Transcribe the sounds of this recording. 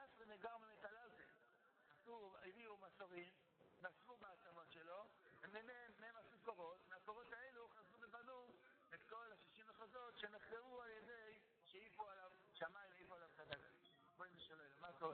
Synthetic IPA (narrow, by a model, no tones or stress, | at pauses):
asʁimeɡaʁmemetalaltḛm | asuvaviumasoʁim | nasvubaat͡samo̞tʃe̞lo̞emememːeemasukoʁo̞tmeakoʁo̞taeluχazubebanu | et̪ko̞lhaʃiʃimaχozo̞tʃe̞neχtevualjede̞j | ʃeifoalav | ʃamaimeipoalavχazaɡa̰ | boimiʃalelmakoʁe